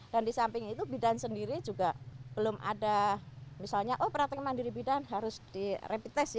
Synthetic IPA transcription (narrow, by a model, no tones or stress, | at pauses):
d̥andisampɪŋit̪ubidansəndiɾid͡ʒuɡab̥əlʊmʔa̰damisalɲaʔopəɾat̪əŋəmandiɾibidanɦaɾʊsd̥irepit̪ɛsja